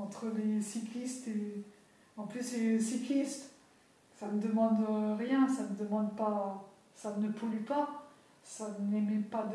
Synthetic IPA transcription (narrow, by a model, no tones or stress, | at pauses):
ɑ̃t̪χəlesiklist̪e | ɑ̃plysesiklist̪ | sanəd̪əmɑ̃d̪øʁjɛ̃sanəd̪əmɑ̃d̪pa | sanəpʰolypa | sanemɛpad̪